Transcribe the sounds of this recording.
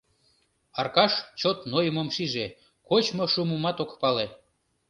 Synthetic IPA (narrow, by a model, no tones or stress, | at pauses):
ɑrkɑʃt͡ɕot̪nojəmomʃiʒe | kot͡ɕmoʃumumɑt̪okpɑle